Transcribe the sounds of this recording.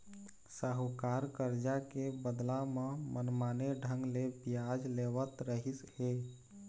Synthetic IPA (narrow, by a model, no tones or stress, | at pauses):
səɦkaːɾkəɾd͡ʒakebəd̪lamə̃mʔənmaːneɖʱə̃ŋɡlebɪjaːd͡ʒleːʋət̪ɾəɦisheː